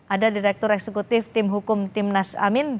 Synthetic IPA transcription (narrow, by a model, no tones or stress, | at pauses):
ʔadadiɾɛk̚t̪ɔɾɛksɛkut̪ɪft̪ɪmɦukʊmt̪ɪmnasa̰mɪn